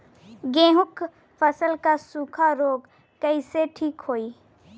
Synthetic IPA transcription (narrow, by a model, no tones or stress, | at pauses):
ɡẽːɦʊk | fʰəsəlkasuːkʰaɾoːɡ | kəɪseʈʰiːkɦoːiː